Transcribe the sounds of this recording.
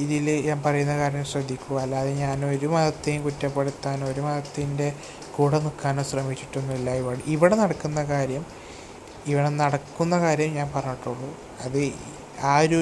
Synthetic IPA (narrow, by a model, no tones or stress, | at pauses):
iðilɲaːnpɐrɐjunːɐkaːɾjɐmɕrɐd̪ʱːikʲːuʋalːaɐðɨɲaːno̞ɾumɐðɐt̪ːejumkutːɐpːeɽut̪ːaːno̞ɾumɐðɐt̪ːinde̞ | kuːɽɐnukːaːnoːɕrɐmit͡ɕːi̥ʈːunːuilːaiʋɐɽiʋiɽenɐɽɐkːunːɐkaːɾjɐm | iʋiɽenɐɽɐkːunːɐkaːɾjɐmɲaːnpɐrɐɲːiʈːuɭːu | ɐðɨ | aːɾu